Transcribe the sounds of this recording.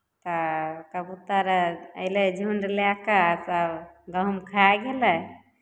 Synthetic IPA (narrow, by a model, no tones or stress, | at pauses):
t̪ɔkəbut̪aɾəjled͡ʒʱuɳɖlakasaɡəmkʰaɡelɛ